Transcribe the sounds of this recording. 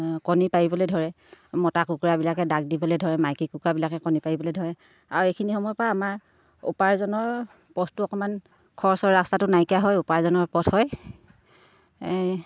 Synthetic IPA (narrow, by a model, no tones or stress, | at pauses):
kɔnipaibɔlojdʱɔɹɛ | mɔtakukuɹabilakɛdaɡ̚dibɔlojdʱɔɹɛmajkikukɹabilakɛkɔnipaibɔlodʱɔɹɛ | aɹuekʰinixɔmɔjpɹaːmaɹ | ṵpaɹzɔnɔɹ | pɔtʰtʊɔkɔman | kʰɔɹsɔɹɹastatʊnajkijaɦɔjupaɹzɔnɔɹpɔtʰhɔj